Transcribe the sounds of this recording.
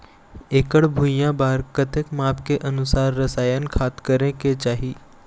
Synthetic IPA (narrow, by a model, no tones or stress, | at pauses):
eːkəɽbʱujãbaːɾkət̪ekmaːpkeʔənʊsaːɾːɐsaːjənkʰaːt̪kəɾẽket͡ʃaːɦiː